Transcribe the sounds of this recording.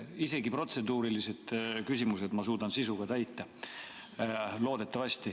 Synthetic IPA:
ise̞ɡipro̞t̪se̞d̪uːɾilise̞d̪̥kysʲimuse̞d̪mɑsuːd̪ɑnsisuɡ̥ɑt̪æjt̪ːˑɑ | lo̞ːd̪̥e̞t̪ːˑɑvɑsʲt̪i

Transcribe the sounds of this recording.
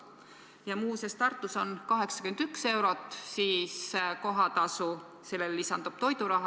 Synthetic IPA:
jɑmuːsest̪ɑrt̪ːˑuso̞nkɑɦe̞ksɑ̥kymend̪̥ykse̞wɾo̞t̪ːˑsiːsko̞ɦɑt̪ɑsu | se̞lːelːisɑnd̪ub̥̚t̪o̞jd̪uɾɑɦɑ

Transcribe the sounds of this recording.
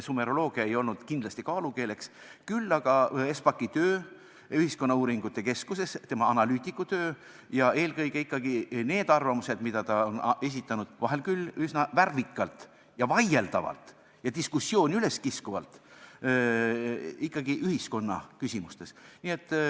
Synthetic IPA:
sume̞ɾo̞lo̞ːɡ̥iɑe̞jo̞lnud̪̥kind̥̪lɑst̪ikɑːluke̞ːle̞ks | kylːɑɡ̥ɑe̞spɑkːit̪ø̞ː | yhisko̞nːɑuːɾiŋɡ̥ut̪ːˑe̞ke̞skuse̞st̪e̞mɑɑnɑlyːt̪ʲˑikːˑut̪øː | jɑʔe̞ːlkɤ̞jɡe̞ikːɑɡ̥ine̞ːd̪̥ɑrvɑmuse̞d̪mid̪̥ɑt̪ɑone̞s̬ʲit̪ːˑɑnud̪̥vɑɦe̞lkylysnɑværvikːˑɑlt̪ | jɑvɑje̞ld̪̥ɑvɑ̰lt̪ˑ | jɑd̪iskusːjo̞ːnʲyle̞skiskuvɑlt̪ˑ | ikˑːɑɡiʔyhisko̞nːɑ̰kysʲimust̪e̞snie̞t̪ːˑ

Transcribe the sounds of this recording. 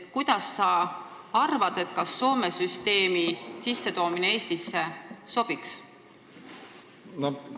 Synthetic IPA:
kujd̪̥ɑsːɑ | ɑrvɑd̪̥e̞t̪̚kɑsːo̞ːme̞syst̪e̞ːmisisːe̞t̪o̞ːmineeːst̪isːe̞so̞b̥iks | no

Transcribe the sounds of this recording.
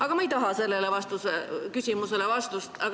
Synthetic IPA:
ɑɡ̥ɑmɑjt̪ɑɦɑse̞lːe̞levɑst̪usekysʲimuse̞le̞vɑst̪ust̪ɑ

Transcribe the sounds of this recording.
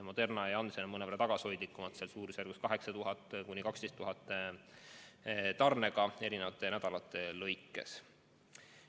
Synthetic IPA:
mo̞d̪e̞rnɑeɑnsenɑmɤneɑɾɑt̪ɑɡ̥ɑsho̞jd̪ikːumɑt̪selsuːɾusjærɡuskɑɦe̞ksɑt̪uɦɑt̪ˑːkunʲːikɑkst̪est̪ːuɦɑt̪ːˑ | t̪ɑrne̞ɡ̥ɑe̞ɾinevɑt̪ːˑe̞næd̪ɑlɑt̪ːˑe̞lɤ̞jkːˑe̞̰s

